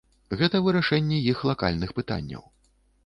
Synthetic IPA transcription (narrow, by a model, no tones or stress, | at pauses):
ɣɛt̪ɐvɨɾaʂɛnʲːɛjixlˠaka̰lʲnɨxpɨt̪a̰nʲːɐ̰w